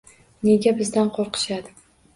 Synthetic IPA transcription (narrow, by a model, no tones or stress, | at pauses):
ne̞ɡʲabɪzd̪anqʰoɾqʰɨ̥ʃad̪ɪ